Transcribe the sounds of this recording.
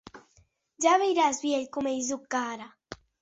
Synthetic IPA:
d͡ʒaβejɾazbjeʎkumejzukːaɾa

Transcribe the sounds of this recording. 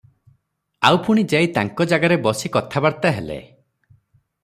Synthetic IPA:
awpuɽ̃id͡ʒajt̪aŋkɔd͡ʒaɡaɾebɔsikɔt̪ʰabaɾt̪aɦelḛ

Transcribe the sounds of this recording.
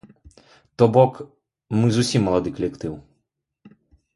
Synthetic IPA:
t̪ɔbɔk | mɨzusʲimːɐlˠad̪ɨkɐlʲɛkt̪ɨw

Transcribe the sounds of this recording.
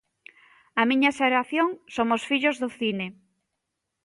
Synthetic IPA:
amiɲɐseɾaθjoŋsomʊsfiʎʊzðʊθine

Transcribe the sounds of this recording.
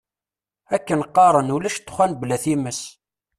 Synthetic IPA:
ækːənqːɑɾˤənulæʃt̪ːχʷænblæθiməs

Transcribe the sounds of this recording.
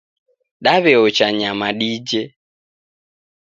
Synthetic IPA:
ɗaβɛɔt͡ʃaɲamaɗid͡ʒe

